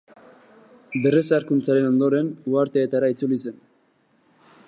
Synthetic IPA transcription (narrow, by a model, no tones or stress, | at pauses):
be̞resaɾkunt͡saɾe̞no̞nd̪o̞ɾe̞nuaɾt̪eːt̪aɾait͡sulise̞n